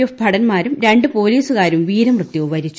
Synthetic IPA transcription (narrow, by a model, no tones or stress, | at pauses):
obʱɐɽɐnmaːɾumɾe̞ɳɖɨpo̞ːliːsukaːɾumʋiːɾɐmrɨt̪ːjuʋɐɾit͡ɕː